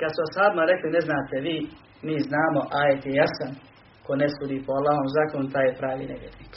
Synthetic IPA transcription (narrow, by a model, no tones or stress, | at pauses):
kad̪suashaːbimaɾe̞klineznaːt̪e̞ʋiː | miːznaːmo̞ʔaːjet̪jejasan | konesuːd̪iːpoalːaːɦomzaːkonut̪aːjepɾaːʋḭːneʋjḛːɾniːk